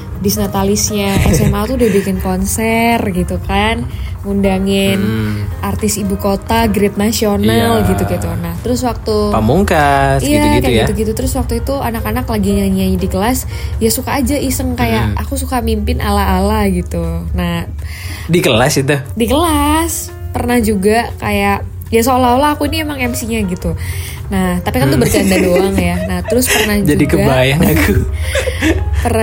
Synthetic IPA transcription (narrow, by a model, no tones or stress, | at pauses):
disnat̪alɪsɲaɛsɛmalt̪uːdahbikɪnkonsɛrɡit̪ukanŋundaŋɪnart̪ɪsibukot̪aɡɾɪt̪̚nasionalɡit̪uɡit̪unaht̪əɾʊswak̚t̪upamuŋkasijaktjit̪uɡit̪ut̪əɾʊswak̚t̪uit̪uanakanaklaɡiɲaɲaɲadikəlas | jasukaːd͡ʒaʔisəŋkajaʔakusukamimpɪnʔalaɦalahɡit̪unah | dikəlasit̪udikəlas | pərnahd͡ʒuɡakajaʔ | jasəolaolaakuiniemaŋɛmsiɲaɡit̪u | naht̪apikant̪ubərt͡ʃandadoaŋjanaht̪əɾʊspərnahd͡ʒd͡ʒaudikəɡabaajanakʰu | pəra